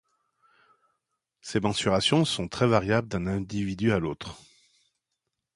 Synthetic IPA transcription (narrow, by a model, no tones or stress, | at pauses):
semɑ̃syʁasjɔ̃sɔ̃t̪χɛvaʁjabld̪ɛ̃nɛ̃d̪ivid̪yalot̪χ